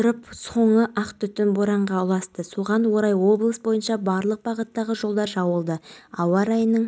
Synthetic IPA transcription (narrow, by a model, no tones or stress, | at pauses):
ʊɾəpso̞ɴəʔɑqt̪ʏt̪ɪnboɾɑɴʁɑʊlˠɑst̪əsuʁɑnwo̞ɾɑjwo̞blˠəsbo̞jənʃɑbɑɾlˠəq̚bɑʁət̪ːɑʁəʒo̞lˠd̪ɑɾʒɑwəlˠd̪əɑwɑɾɑjənːəɴ